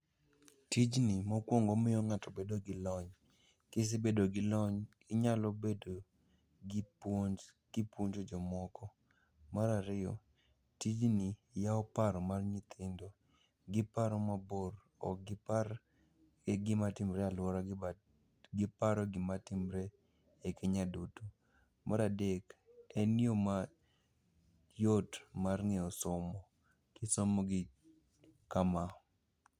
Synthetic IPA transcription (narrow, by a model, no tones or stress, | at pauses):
tid͡ʒnimɔkwoŋɡomɪjɔŋatɔbedoɡɪlɔɲ | kɪs̬ɪbedoɡɪlɔɲ | ɪɲalɔbedo | ɡipo | ɡ̥ɪpwoɲt͡ʃod͡ʒɔmɔkʰɔ | maɾaɾɪjɔ̰ | tid͡ʒnijaɔpaɾɔmarɲɪt̪ʰɪndɔ | ɡɪpaɾɔmabor | ɔ̰ɡɪpa | eɡɪmatɪmɾɛalwɔɾa | ɡɪpaɾɔɡɪmatɪmɾe | ekʰeɲadutu | mʔaɾadekɛnjoma | jotmarŋɛɔsɔmɔ | kɪsomoɡɪ | kama